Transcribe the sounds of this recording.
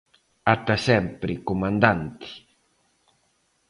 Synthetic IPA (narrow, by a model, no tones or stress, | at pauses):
at̪asɛmpɾɪkomãnd̪ant̪i̥